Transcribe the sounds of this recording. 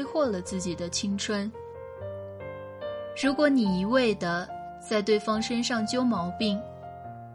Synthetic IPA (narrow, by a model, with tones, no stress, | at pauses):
ɪxwɔ˥˩lə˩t͡sɹ̩˥˩t͡ɕi˨˩d̪ə˦t͡ɕʰi˥ŋʈ͡ʂʰwə˥n | ɻu˧˥kwɔ˧˥ni˨˩i˧˥we˥˩ɪd̪ə˩ | t͡sa˥˧ɪt̪we˥˩ɪfɑ˥ŋʂə˥nʂɑ˥˩ŋt͡ɕjo˥ʊmɑ˧˥ʊpi˥˩ŋ